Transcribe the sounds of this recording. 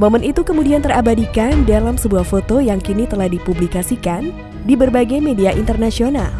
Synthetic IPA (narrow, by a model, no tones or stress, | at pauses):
momɛnit̪ukəmudiant̪əɾabadikandalamsəbuahfot̪ojaŋkinit̪əlahdipublikasikan | dibərbaɡajmediaʔint̪ərnasiona̰l